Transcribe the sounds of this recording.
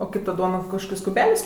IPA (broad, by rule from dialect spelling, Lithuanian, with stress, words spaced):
oː ˈkɐɪp tɐ ˈduɔnɐ kɐʃˈkoːkʲɛɪs kʊˈbʲæːlʲɛɪs